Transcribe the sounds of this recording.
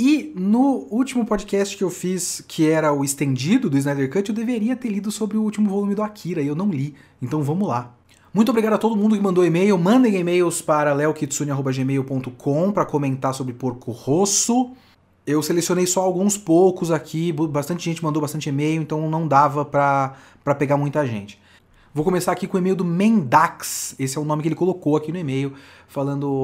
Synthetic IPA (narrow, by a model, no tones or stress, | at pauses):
ɪnʊuwt͡ʃimʊpɔd͡ʒikɛst͡ʃɪ̥kɪewfiskʰɪɛɾɐʊɪst̪ẽd͡ʒid̪ʊd̪ʊiznajd̪eɾkɐt͡ʃɪewd̪eveɾiɐt̪eɾlid̪ʊsobɾɪʊut͡ʃimʊvolumɪd̪ʊakʰiɾɐiewnɐ̃w̃li | ẽnt̪ɐ̃w̃vɐ̃mʊla | mũj̃t̪obɾiɡad̪ʊat̪od̪ʊmũnd̪ʊkɪmɐ̃nd̪owemejʊmɐ̃nd̪ẽj̃emejʊspaɾɐlɛwkid͡ʒsũnɪaɦobɐʒemejʊpõnt̪ʊkʰõpɾɐkomẽnt̪aɾsobɾɪpoɾkʊhosʊ | ewselesionejsɔawɡũspowkʊzakʰibbast̪ɐ̃nt͡ʃɪʒẽnt͡ʃɪmɐ̃nd̪owbast̪ɐ̃nt͡ʃɪemejʊẽnt̪ɐ̃w̃nɐ̃w̃d̪avɐpɾɐ | pɾɐpeɡamũj̃t̪aʒḛ̃nt͡ʃɪ̥ | vowkomesaɾakikõemejʊd̪ʊmẽnd̪aksesɪɛʊ̃nõmɪkeelɪkolokowakinʊemejʊ | falɐ̃nd̪ʊ